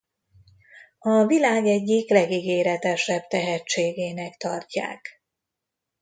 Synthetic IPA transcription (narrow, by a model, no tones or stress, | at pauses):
ɒvilaːɡɛɟːiklɛɡiɡeːɾɛt̪ɛʃɛb̚t̪ɛɦɛt͡ʃːeːɡeːnɛkt̪ɒrca̰ːk